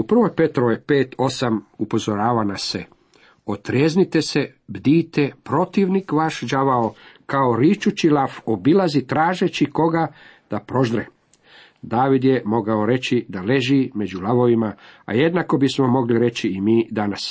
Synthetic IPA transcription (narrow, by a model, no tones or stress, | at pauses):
upr̩ʋo̞jpe̞t̪ɾojepeːt̪ʰo̞samupo̞zoɾaːʋanase | ot̪ɾeznit̪e̞se | bd̪iːt̪epɾo̞t̪iʋnikʋaʃd͡ʒaʋaokao̞ɾit͡ʃut͡ʃilafobilazit̪ɾaːʒet͡ɕiko̞ɡad̪̥apɾo̞ʒɾḛ | d̪aːʋid̪jemo̞ɡaoɾe̞t͡ɕid̪ale̞ʒime̞d͡ʑulaʋo̞ʋimaa̰je̞d̪nako̞bismo̞mo̞ɡliɾe̞t͡ɕiːmiːd̪anas